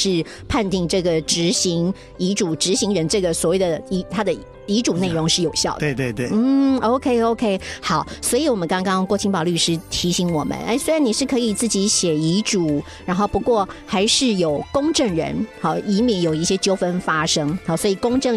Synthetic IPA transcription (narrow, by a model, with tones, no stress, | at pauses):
ʂɻ̩˥˧ | pʰa˥˧nt̪i˥˧ŋʈ͡ʂɤ˥˩ɡə˩ʈ͡ʂɻ̩˧˥ɕi˧˥ŋ | i˧˥ʈ͡ʂu˨˩ʈ͡ʂɻ̩˧˥ɕi˧˥ŋɻə˧˦nʈ͡ʂɤ˥˩ɡə˩swɔ˨˩we˥˩ɪd̪ə˩i˧˥t̪ʰa˥d̪ə˨ | i˧˥ʈ͡ʂu˨˩ne˥˩ɪɻʊ˧˥ŋʂɻ̩˥˩jo˨˩ʊɕjɑ˥˩ʊd̪e˥˧ɪt̪we˥˧ɪt̪we˥˩n̩˥˩o˥˧ʊkʰe˥ɪo˥˧ʊkʰe˥ɪxɑ˨˩˦ʊswɔ˧˥i˧˥wɔ˨˩mə˦nkɑ˥ŋkɑ˥ŋkwɔ˥˧˩t͡ɕʰi˥ŋpɑ˨˩ʊly˥˩ʂɻ̩˥t̪ʰi˧˥ɕi˧˥ŋwɔ˨˩mə̰˦nḛ˥˧ɪswe˥ɪɻa˧˥ni˨˩ʂɻ̩˥˩kʰɤ˧˥i˨˩t͡sɹ̩˥˩t͡ɕi˧˥ɕjɛ˨˩i˧˥ʈ͡ʂu˨˩˦ | ɻa˧˥nxo˥˩pu˧˦˥kwɔ˥˩xa˧˥ɪʂɻ̩˥˩jo˨˩ʊkʊ˥ŋʈ͡ʂɤ˥˩ŋɻə̰˧˥nhɑ˥˩i˧˥mi˧˥ŋjo˨˩ʊi˥˩ɕjɛ˥t͡ɕjo˥ʊfə˥nfa˥ʂɤ˥ŋɑ˨˩swɔ˧˥i˨˩kʊ˥ŋʈ͡ʂɤ˥˩ŋ